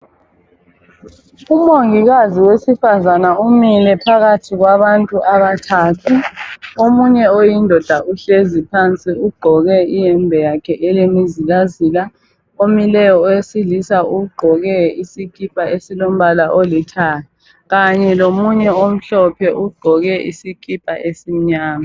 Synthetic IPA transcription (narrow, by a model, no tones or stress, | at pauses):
umoŋiɣaziwesifazanaumilɛpʰaɣatʰiɣwaβantʼuʔaβatʰaːtʰuomuɲɛojindʱɔd̥ʱaʔuɬezipʰant͡sʼiuɡ͡ǃʱɔɣɛijɛmbʱɛjakʰɛʔɛlemiziɣazila | omilɛjɔɔjesilisauɡ͡ǃʱɔɣɛisikʰʼipʼaesilom̩βalaʔolitʰalɛ | ɣaɲɛlomuɲɛom̩ɬɔpʰɛʔuɡ͡ǃʱɔɣɛʔḭsikʼipʼa̰ʔesim̩ɲaːma